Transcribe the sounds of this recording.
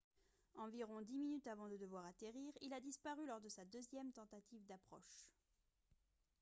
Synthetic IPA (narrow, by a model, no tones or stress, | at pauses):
ɑ̃viʁɔ̃d̪iminyt̪avɑ̃d̪əd̪əvwaʁat̪eʁiʁilad̪ispaʁylɔʁd̪əsad̪øzjɛmt̪ɑ̃t̪at̪ivd̪apχɔ̰ʃ